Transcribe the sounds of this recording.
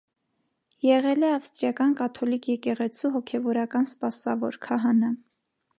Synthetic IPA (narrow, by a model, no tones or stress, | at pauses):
jɛʁɛlɛɑfst̪ɾjɑkɑnkɑt̪ʰɔlikʰjɛkɛʁɛt͡sʰuɦɔkʰɛvɔɾɑkɑnspɑsɑvɔɾkʰɑɦɑnə